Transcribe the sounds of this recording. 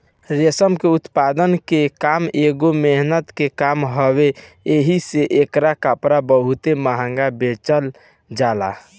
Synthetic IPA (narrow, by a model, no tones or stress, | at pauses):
ɾesəmkeut̪pad̪ənkekameɡomeɦnət̪kekamɦəwe | eɦiseʔekɾakapɾabəɦut̪emaɦə̃ŋɡabet͡ʃəl | d͡ʒala̰